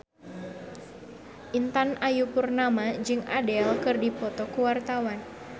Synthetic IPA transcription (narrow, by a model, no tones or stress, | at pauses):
ʔint̪anʔajupurnamad͡ʒɨŋadɛlkɨrdipɔt̪ɔkuwart̪awan